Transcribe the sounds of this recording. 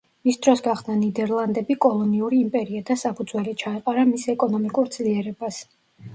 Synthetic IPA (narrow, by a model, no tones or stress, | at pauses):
misd̪ɾɔsɡaχd̪nanid̪ɛɾlˠand̪ɛbikʼɔlˠɔniuɾiːmpʼɛɾiad̪asapʰud̪zwɛlit͡ʃʰaiqʼaɾamisɛkʼɔnɔmikʼuɾd̪z̥liɛɾɛbas